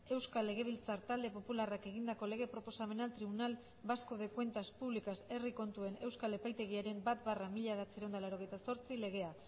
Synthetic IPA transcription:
e̞wskale̞ɣ̞e̞β̞ilt͡saɾt̪ald̪e̞po̞pularake̞ɣind̪ako̞le̞ɣe̞pɾo̞po̞same̞nalt̪ɾiβunal | baskoðe̞kwe̞nt̪aspuβlikase̞riko̞nt̪ue̞ne̞wskale̞pajt̪eɣ̞iaɾe̞mbat̪baramiʎaðat͡siɾend̪alaɾo̞ɣ̞e̞jt̪aso̞ɾt͡sile̞ɣ̞e̞a

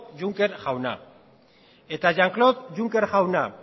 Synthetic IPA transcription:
d͡ʒuŋke̞ɾxawna̰ | e̞t̪aʝaŋkloðʝuŋke̞ɾxawna

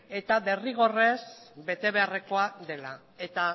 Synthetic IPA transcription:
e̞t̪aβe̞riɣ̞o̞re̞sbe̞t̪e̞βe̞are̞ko̞ade̞la | e̞t̪a

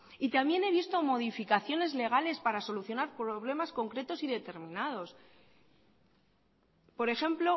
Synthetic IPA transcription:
it̪amje̞ne̞βist̪o̞mo̞ðifikaθjo̞ne̞zle̞ɣ̞ale̞spaɾaso̞luθjo̞naɾpɾoβle̞masko̞ŋkɾe̞t̪o̞siðe̞t̪e̞ɾmĩnað̞o̞s | po̞ɾe̞xe̞mplo̞

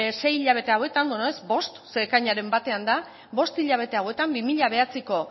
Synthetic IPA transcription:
se̞jiʎaβ̞e̞t̪e̞awe̞t̪andonoezbo̞st̪sekaɲaɾe̞mbat̪e̞and̪a | bo̞st̪iʎaβ̞e̞t̪e̞awe̞t̪ambimiʎaβ̞e̞at͡siko̞

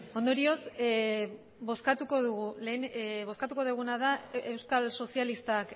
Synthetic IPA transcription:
o̞nd̪o̞ɾio̞s | bo̞skat̪uko̞ðuɣule̞nβo̞skat̪uko̞ðuɣ̞unað̞aewskalso̞sialist̪aak

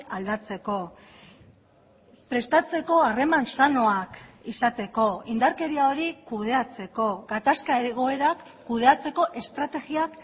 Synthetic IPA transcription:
ald̪at͡se̞ko̞ | pɾe̞st̪at͡se̞ko̞are̞mansano̞akisat̪e̞ko̞ind̪aɾke̞ɾiao̞ɾikuð̞e̞at͡se̞ko̞ɡat̪askaeɣoe̞ɾakːuðe̞at͡se̞ko̞ʔe̞st̪ɾat̪e̞ɣiak

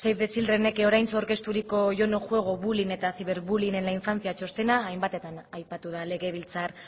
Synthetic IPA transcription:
sejɾðet͡sildrene̞keo̞ɾajnt͡sooɾke̞st̪uɾiko̞ʝo̞no̞ʝwe̞ɣ̞o̞βuline̞t̪aθiβe̞ɾβuline̞nlaiɱfant͡siat͡ʃo̞st̪e̞naːjmbat̪e̞t̪anajpat̪uðale̞ɣe̞β̞ilt͡saɾ

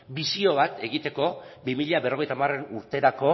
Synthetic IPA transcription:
bisio̞β̞at̪e̞ɣit̪e̞ko̞bimiʎaβe̞ro̞ɣe̞jt̪amare̞nuɾt̪e̞ɾako̞

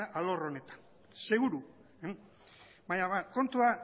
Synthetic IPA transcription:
aʔalo̞ro̞ne̞t̪ḁn | se̞ɣuɾu | baɲaβako̞nt̪ua

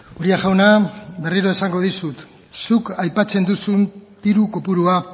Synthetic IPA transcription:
oɾiaʝawnabe̞riɾo̞esaŋɡo̞ðisut̪ | sukajpat͡se̞nd̪usunt̪iɾuko̞puɾua

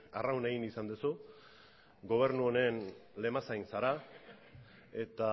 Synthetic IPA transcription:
a̰rawne̞ɣinisand̪usu | ɡo̞β̞e̞ɾnuone̞nle̞masajnsaɾa | e̞t̪a

